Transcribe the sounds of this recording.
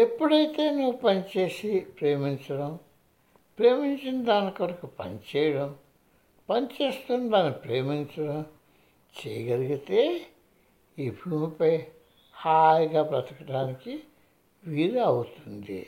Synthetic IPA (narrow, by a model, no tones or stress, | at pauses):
e̞pːuɽɐjt̪e̞ːnuʋupɐnit͡ʃe̞ːsipɾe̞ːmint͡ʃɐɽɐm | pɾe̞ːmiɲt͡ʃind̪aːnikiʋɐɾɐkupɐ̰nit͡ʃɛːjɐɽɐm | pɐnit͡ʃe̞ːst̪unɐd̪aːnːpɾeːmint͡ʃɐɽɐm | t͡ʃḛjɐɡɐliɡit̪eː | ibʱuːmipɐj | haːjɡaːpɾɐt̪ɐkɐʈaːniki | ʋiːɾeɐwut̪und̪ḭ